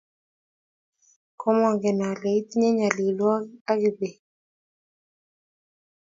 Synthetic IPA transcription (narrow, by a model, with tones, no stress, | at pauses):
kɔ˦mwa˨ŋɡɛ˨na˨le˨i˦t̪ɲe˦ɲa˨li˨lwa˦a˦kɪ˨be˨